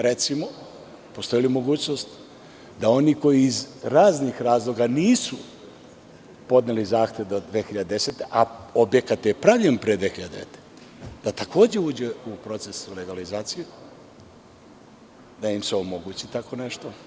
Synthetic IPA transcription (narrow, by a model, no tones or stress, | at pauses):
ɾe̞t̪simo̞ | post̪o̞jilimo̞ɡuːt͡ɕnost̪ | d̪ao̞niko̞jiːzɾaːznixɾaːzlˠo̞ɡaniːsu | po̞d̪nelizaːxt̪ʲjeʋd̪od̪ʋexiʎad̪ed̪eset̪eʔaobje̞kat̪jepɾaʋʎenpɾed̪ʋexiʎad̪eet̪e̥ | d̪̥at̪ako̞ːd͡ʑe̞uːd͡ʑeupɾo̞t̪se̞sule̞ɡalizaːt̪siju | d̪aimseo̞mo̞ɡuːt͡ɕit̪ako̞ne̞ʃt̪o̞